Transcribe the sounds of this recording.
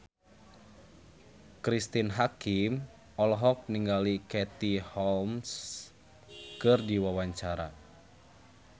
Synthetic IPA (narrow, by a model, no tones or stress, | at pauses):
kɾist̪inɦakim | ɔlɔɦɔk̚niŋɡalikɛt̪ihɔlms | kɨrdiwawaɲt͡ʃaɾa